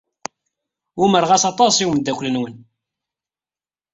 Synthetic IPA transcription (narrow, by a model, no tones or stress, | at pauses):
uməɾʁæsɑt̪ˤɑsˤiwmd̪ːækʷlənwən